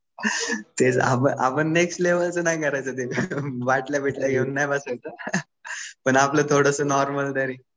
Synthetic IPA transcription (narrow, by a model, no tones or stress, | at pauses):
t̪ed͡za̰pə̰ʔa̰pəɳːeksʈleʋəlt͡sənajkʰəɾajt͡sət̪eʋaʈljabʱeʈljaɡʱeunːajbəsajt͡sə | pəɳaplət̪ʰoɽəsəːnɔɾməld̪əɾiː